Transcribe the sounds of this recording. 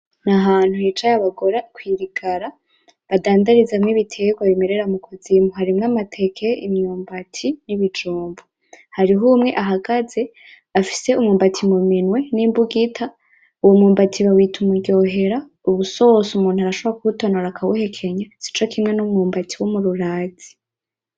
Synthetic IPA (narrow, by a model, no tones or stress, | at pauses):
naɦaːn̥huhit͡ʃajaβaɡo̞ɾakwiːɾiɡaɾa | βadaːndaɾizamŋiβitʰeɡwaβime̞ɾe̞ɾamukʰozimuɦaɾimŋamatʰe̞kʰeimɲuːmbatʰiniβid͡ʒuːmbu | haɾiɦumŋe̞ʔaɦaɡaze̞ | afi̥se̞umŋuːmbatʰimuminwe̞niːmbuɡitʰa | uwomŋuːmbatʰiβawiːtʰumuɡɟo̞ɦe̞ɾa | uβuso̞sumuːn̥uhaɾaʃoβɾakuutonoɾakʰawuhe̞kʰe̞ɲasi̥t͡ʃokʰimŋe̞numŋuːmbatʰiwomuɾuɾaːzi̥